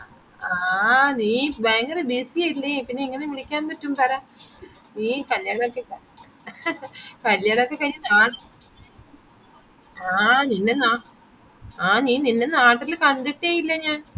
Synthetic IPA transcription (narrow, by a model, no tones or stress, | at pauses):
aniːbaːŋɡɐɾebiːsiajilːɐpinːeiŋːɐneʋiɭikʲːaːnpɐtːumpɐɾaː | iːpɐljaːɳokːe | pɐljaːnokːekɐɻːɐnaːʈ | aːninːenaː | aːniːninːenaːʈːilkɐɳɖiʈːaːjilːɐɲaːn